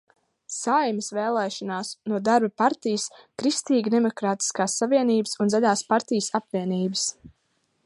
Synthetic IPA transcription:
sajməsvɛːlˠɛːʃɔnaːsnuɔd̪aɾbɐpaɾt̪ijəskɾist̪iːɡd̪emɔkɾaːt̪i̥skaːsːaviɛniːbə̥sunzaʎʲaːspaɾt̪ijəsapviɛniːbəs

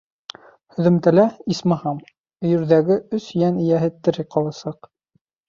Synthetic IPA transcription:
hɵ̆ðɘ̆mt̪ælæismɑhɑm | ɵ̆jɵ̆ɾðæɡɘɵsjænɘ̆jæɦɘt̪ːɘ̆ɾɘqɑlˠɑsɑq

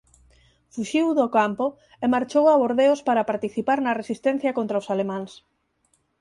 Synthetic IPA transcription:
fuʃiwðʊkampo | emaɾt͡ʃowaβoɾðeʊspaɾɐpaɾt̪iθipaɾnɐresist̪ɛ̃n̟θjɐkõnt̪ɾawsalemãŋs

